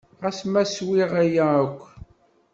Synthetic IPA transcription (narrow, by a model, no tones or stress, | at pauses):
ʁæsmæswiʁæjæækʷː